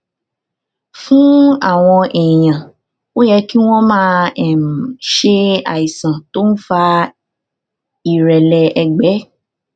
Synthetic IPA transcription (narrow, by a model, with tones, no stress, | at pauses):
fũ˦a̰˦˨w̃ɔ̃˧ʔɛ˨j̃ã˨ | o˦jɛ˧ki˦w̃ɔ̃˦mãː˦ɛ˨m̩˨ʃe˧a̰˨i˨sã˨to˦n̩˦fa˧ | i˨ɾɛ˨lɛ˧ɛ˧ɡ͡bɛ˨˦